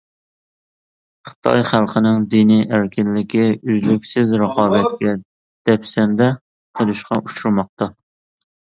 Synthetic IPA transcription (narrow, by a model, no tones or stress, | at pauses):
χə̥t̪ʰɑ̰jχælˠqʰənɪŋd̪inijʔæɾkʲɪnlɪkʲiøzlykʲsɪzɾəqʰɑːbɛt̪̚kʲɛ | d̪̥ɛpsɛnd̪ɛ | qʰəɾˠuʃqʰɑʔuʃuɾmɑq̚t̪ɑ